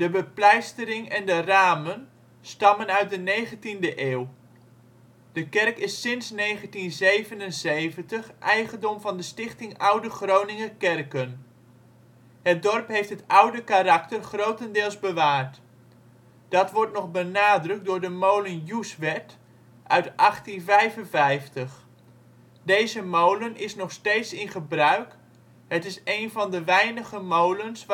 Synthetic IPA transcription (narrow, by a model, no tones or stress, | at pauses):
d̥əbəplɛjstəɾɪŋɛndəraːmən | stɑmənœɥt̚dənejɣəntindəʔeːw | d̥əkɛrkɪsːɪnsneːχəntinzejvənənzejvəntəxʔɛjχəndɔmvɑndəstɪχtɪŋʌwdəχrownɪŋəkɛrkən | hət̚dɔrpɦejftɦətʌwdəkarɑktərχrowtəndɪːlˠzbəʋaːrt | d̥ɑtʋɔrtnɔχbənaːdrɵk̚dʊːɹdəmowlənjusʋɛt | ʔœɥtʔɑχtinvɛjvənvɛjftəχ | dejzəmowlənʔɪsnɔχsteːtsɪnχəbrœɥk | ɦətɪsejnvɑndəʋɛjnəɣəmowləns